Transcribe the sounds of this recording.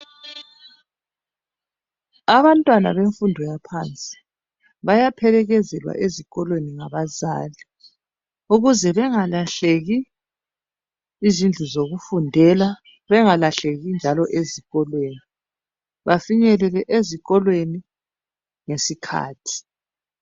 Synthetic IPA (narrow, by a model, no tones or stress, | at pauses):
aβantʼwana̰βeɱfundʱɔjapʰant͡sʼi̥ | βajapʰɛlɛɣɛzɛlwa̰ʔeziɣɔlweniŋaβazaːli | uɣuzɛβɛŋalaɬeɣi | zind͡ɮʱuzoɣufundʱɛla | βɛŋalaɬeɣind͡ʒʱalɔʔeziɣɔlweːni | βafiɲɛlɛlɛʔeziɣɔlweni | ŋesikʰa̰ːtʰi̥